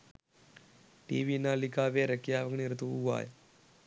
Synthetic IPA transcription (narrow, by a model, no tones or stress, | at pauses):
ʈḭːʋiːnaːlikaːʋeːɾəkjaːʋəɡɳiɾɐt̪uuʋa̰ːj